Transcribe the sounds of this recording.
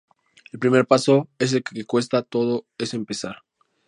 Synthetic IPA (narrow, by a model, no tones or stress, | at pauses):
elpɾime̞ɾpaso̞es̬elkekekwe̞st̪at̪o̞ðoe̞sempesaɾ